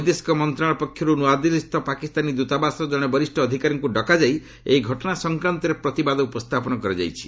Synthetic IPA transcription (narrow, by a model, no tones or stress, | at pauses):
d̪eskɔmɔnt̪ɾaɭɔpɔkʰjɔɾunuad̪ilist̪ɔpakist̪anid̪ut̪abasɔd͡ʒɔɽ̃ebɔɾisʈɔːd̪ʱikaɾɔŋkuɖɔkad͡ʒaj | ḛiɡʱɔʈɔɽ̃asɔŋkɾant̪ɔɾepɾɔt̪ibad̪ɔupɔst̪ʰapɔnɔkɔɾid͡ʒa̰jt͡ʃʰi̥